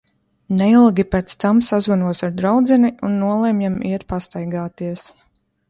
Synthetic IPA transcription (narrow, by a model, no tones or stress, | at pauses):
nɛilˠɡʲipɛːt̪st̪amsazvanuɔsaɾd̪ɾawd̪zɛniunːuɔlˠɛmjamiɛt̪past̪ajɡaːt̪iɛs